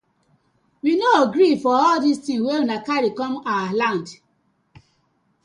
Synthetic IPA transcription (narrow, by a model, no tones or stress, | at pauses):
winoaɡɹifɔɔldistĩŋweunakaɾikɔ̃maalãnd